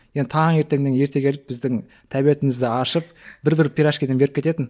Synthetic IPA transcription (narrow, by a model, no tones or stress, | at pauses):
jend̪ɪt̪ʰɑŋe̞ɾt̪e̞ŋd̪eŋje̞ɾt̪e̞kʲʰelɪp̚bɪzd̪ɪŋ | t̪ʰæbije̞t̪ɪmɪzd̪ɪɑʃəp̚bɪɾbɪɾpʰʲiɾɑʃkʲid̪ebeɾɪpkʰʲe̞t̪e̞t̪ɪn